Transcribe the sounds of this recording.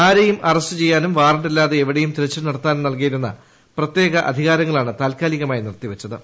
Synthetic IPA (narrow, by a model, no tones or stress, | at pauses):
aːɾejumʔɐrɐstːɨt͡ɕe̞jːaːnumʋaːrɐɳɖilːaːðe̞eʋiɽejumt̪iɾɐt͡ɕːɨnɐɽɐt̪ːaːnmnɐlk̬ijiɾunːɐ̰ | prɐt̪je̞ːɣɐʔɐ̰d̪ʱiɣaːɾɐŋːɐɭaːɳɨt̪aːlkaːliɣɐmaːjinirt̪iʋɐt͡ɕːɐðɨ